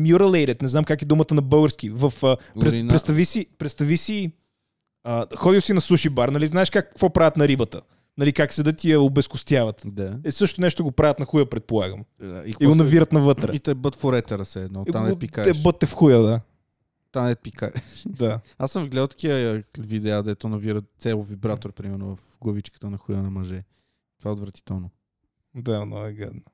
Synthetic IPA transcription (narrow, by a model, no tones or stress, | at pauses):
mjuɾɐlˠɛjɾɛt̪nɛznamkakɛd̪umət̪ənɐbɤlˠɡəɾsk̟ivəfəpɾɛt̪nɾɛt̪t̪ɐvisipɾɛt̪st̪ɐvisi | əxɔd̪ilˠsinɐsuʃibaɾnɐliznaɛʃkakːkvɔpɾavət̪nɐɾibət̪ə | nɐlikaksɛd̪ɐt̪iəobɛskʊst̪javɐt̪d̪aɛsɤʃt̪onɛʃt̪oɡopɾavət̪nɐxujəpɾɛt̪̚polˠaɡə̰md̪aikkiɡonɐviɾət̪nɐvɤt̪ɾɛ̰it̪ɛbət̪foɾɛt̪ɛɾəsɛːd̪nɔtiaɛpikaɛʃbɤt̪ːɛfxujəd̪a | t̪anɛt̪̚pikaɛʃd̪a | asə̃mvɡlɛd̪əlˠt̪ɐ̥kiəvid̪ɛad̪ɛt̪onɐviɾətt̪sɛlˠʊvibɾat̪oɾpɾimɛɾnʊvɐfɡovit͡ʃkə̥t̪ənɐxujənɐmɐʒɛ | t̪ovaɛot̪vɾɐt̪i̥t̪ɛlˠno | d̪anɔ̰ɛɡɛ̰d̪nə